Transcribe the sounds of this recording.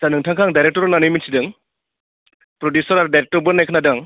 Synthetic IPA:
zanɯŋtʰaŋkʰaŋdajɾek̚tɔɾɔnanɯjminsidɯŋ | pɾɔdjusɔɾaɾdajɾek̚tɔɾbɯɾnajkʰɯnadɯŋ

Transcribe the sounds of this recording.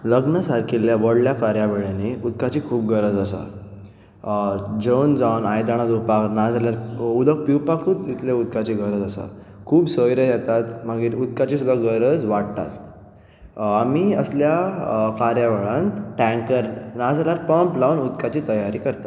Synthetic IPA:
ləɡnasaɾkʰiljaʋəɽljakaɾjaʋeɭjaneud̪kat͡ɕiːkʰuːb̚ɡəɾəd͡zəsa̰ | d͡ʑəwnd͡zawnajd̪aɽ̃ad̪upaknad͡zaljaɾud̪ək̚piwpakʰut̪it̪leud̪kat͡ɕiɡəɾəd͡zəsa̰ | kʰuːbsəjɾəjɛt̪at̪maɡiɾud̪kat͡ɕiːsud̪ʱaɡəɾəd͡zʋaɽt̪a̰t̪ | amiəsljakaɾjaʋəɭãnt̪ʈɛ̃ŋkəɾnad͡zaljaɾpəmplawnud̪kat͡ɕiːt̪əjaɾiːkəɾt̪a

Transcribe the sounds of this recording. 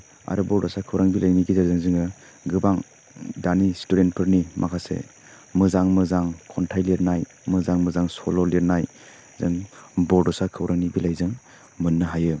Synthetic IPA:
a̰ɾɯbɔɾdɔsakʰɯwɾaŋbilʔajniɡizazɯŋzɯŋɯ | ɡɯbaŋ | danistuɾent̚pʰɯɾnimʔakʰasḛ | mɯzaŋmɯzaŋkʰɔntʰajliɾnaj | mɯzaŋmɯzaŋsɔlɔliɾnaj | zɯŋbɔɾdɔsakʰɯwɾʔaŋnibilajzɯŋ | mɯnːɯɦajɯ

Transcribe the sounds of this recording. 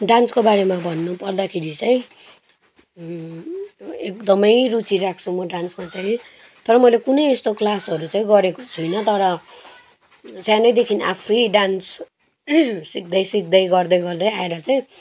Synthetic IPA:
ɖanskobaɾemabʱʌnːupʌrd̪akʰeɾit͡saĩ | ek̚d̪ʌmʌjrut͡siɾak̚ʰt͡sʰumʌɖansmat͡saĩ | t̪ʌɾʌmʌjlekunʌjest̪oklasʌɾut͡saĩɡʌɾeko̥t͡sʰujnʌt̪ʌɾʌ | t͡sjãnʌjd̪ekʰina̰pʰʌjɖans | sik̚d̪ʌjsik̚d̪ʌjɡʌrd̪ʌjɡʌrd̪ʌjaeɾʌt͡saĩ

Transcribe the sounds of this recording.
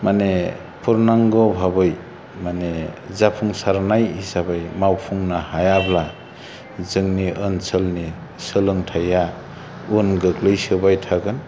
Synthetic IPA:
mane | pʰuɾnaŋɡɔbʱabɯj | manezapʰuŋsaɾnajhisabɯjmawpʰuŋnahajabla | zɯŋniʔɯnsʰɯlni | sɯlɯŋtʰaja | unɡɯklɯjsɯbajtʰaɡɯn

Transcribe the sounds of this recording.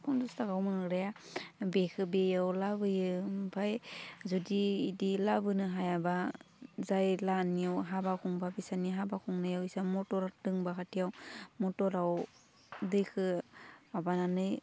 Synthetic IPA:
kʰɔndustaɡawmɯŋɯɾaja | bekʰɯbejawlabɯjɯpʰajzudiːdilabɯnɯɦajaba | zajlanijɯwɦabakʰuŋbabisaniɦabakʰuŋnɯjawisamɔtɔɾadɯŋbakʰatʰijawmɔtɔɾaw | dɯjkʰɯabananɯj

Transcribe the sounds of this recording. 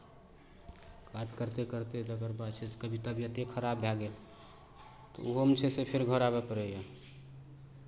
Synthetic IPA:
kad͡ʒkəɾt̪ekəɾt̪ed̪əɡəɾbasid͡ʒkəbʱit̪abjət̪ekʰəɾabːʱjaɡel | t̪o̰uɦomt͡ʃʰesepʰɪɾɡʱəɾabepəɾɛja

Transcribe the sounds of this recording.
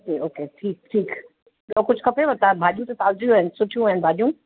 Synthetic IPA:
keoːkeːʈʰiːk̚ʈʰiːk | okʊt͡ʃʰkɐpʰẽbɐt̪abʱaːd͡ʒũt̪ot̪aːlzijɦɛ̃nsʊʈʰjũɦɛ̃nbʱaːd͡ʒũ

